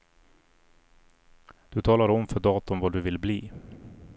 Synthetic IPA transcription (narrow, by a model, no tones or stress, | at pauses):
d̪̥ɵt̪ʰɑːlaɾɔmfœɖɑːt̪ʊmvaɖ̪ɵvɪlbliː